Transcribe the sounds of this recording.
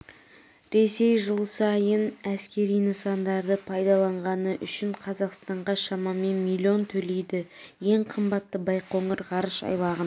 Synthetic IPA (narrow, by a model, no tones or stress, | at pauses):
ɾe̞se̞jʒəlˠsɑjənæskʲe̞ɾijnəsɑnd̪ɑɾd̪əpʰɑjd̪ɑlˠɑɴʁɑnəʔʏʃɪɴqʰɑzɑqst̪ɑɴʁɑʃɑmɑme̞nmilʲːio̞nt̪ʰɵle̞jd̪ɪje̞ɴqʰəmbɑt̪ːəbɑjqʰo̞ŋəɾʁɑɾəʃɑ̰jlˠɑʁən